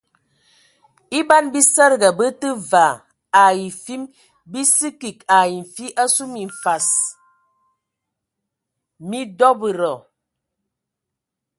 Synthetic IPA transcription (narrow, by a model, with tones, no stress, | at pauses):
i˦ba˦nbi˦sə˦ɾɡa˨bə˦tə˦va˨ | a˨ji˨fi˦m | bi˦si˦ki˨ka˨ji˨ɱ̩˨fi˦ʔa˦su˦mi˨ɱ˨fa˨s | mi˦dɔ˦bə˨ɾɔ˨